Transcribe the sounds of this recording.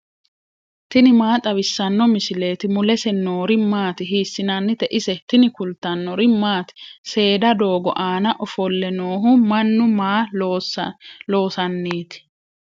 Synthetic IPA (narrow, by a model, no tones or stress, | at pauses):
t̪ɪnɪmaːt̪ʼɐβɪsːɐnːɔmɪsɪleːt̪ɪmʊlɛsɛnoːɾɪmaːt̪ɪɦiːsːɪnɐnːɪt̪ɛʔɪsɛt̪ɪnɪkʊlt̪ːɐnːɔɾɪmaːt̪ɪ̥se̞ːd̪ɐd̪o̞ːɡɔ̰ʔaːnɐʔɔfɔlːɛnoːɦʊmɐnːʊmaː | lo̞ːsɐnːeːt̪ɪ̥